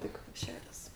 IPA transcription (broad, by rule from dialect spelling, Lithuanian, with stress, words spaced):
tʲɪk ˈʃʲæːrʲɛs